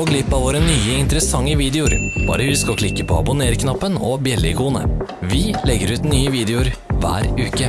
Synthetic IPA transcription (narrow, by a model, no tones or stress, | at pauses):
oːɡlɪpːɑʋoːɾənyːəɪnt̪əɾəsɑŋːəʋiːd̪ɛʊɾb̥ɑ̰ːɾəhʉskɔkʰlɪkːəpʰoːɑ̰bʊneːɾkʰnɑpːənɔbjɛlːɪkʰuːnə̰ | ʋɪlɛɡːəɾʉːt̪nyːəʋiːd̪ɛʊɾʋæ̰ːɾʉːkə